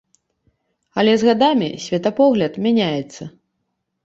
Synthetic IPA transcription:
ɐlʲɛzɣad̪amʲḭsʲvʲɛt̪ɐpɔɣlʲɐt̪mʲanʲajɛt̪sːɐ

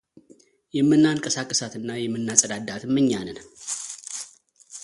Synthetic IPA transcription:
jɛmːɨnːaŋkʼəsakʼːəsat̪ɨnːajɛmːɨnːasʼəd̪ad̪at̪mːɨɲːanɨn

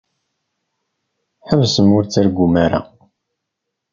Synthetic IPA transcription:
ħəvsəmʊɾt͡sːæɾɡʷumaɾa̰

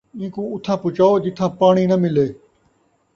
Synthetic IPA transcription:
ĩːkõːʊt̪ʰãːpʊt͡ʃaːoːd͡ʒɪt̪ʰãːpaːɳ̃iːnəmɪleː

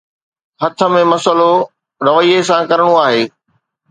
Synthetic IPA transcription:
hɐt̪ʰə̆mẽmɐsəlo | ɾɐʋəiːesãkɐɾəɽ̃oaːɦeː

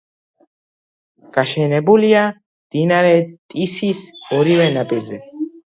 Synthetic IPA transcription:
ɡ̥aʃɛnɛbulia | md̪̥inaɾɛt̪ʼisisɔɾivɛnapʼiɾzɛ

